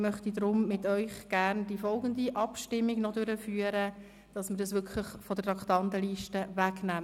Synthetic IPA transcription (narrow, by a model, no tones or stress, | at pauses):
mœχtidɾʊmmɪtœʏχɡ̥æɾnd̥ifɔlɡəndiʔɑpʃtɪmːiɡnɔdøɾəfyːəɾə | d̥ɑsməɾdɑsʋʏkʰlɪχfɔd̥ətɑktɑnt̪əliːʃtəʋæknæm